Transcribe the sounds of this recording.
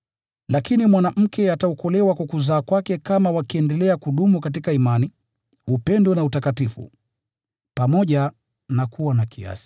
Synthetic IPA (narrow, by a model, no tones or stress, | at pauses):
lakinimwanaʔm̩kɛataɔkɔlɛwakwakuzaːkwakɛkamawakiɛndɛlɛakuɗumukatikaimani | upɛndɔnautakatifṵ | pamɔʄa | nakuwanakʰia̰si̥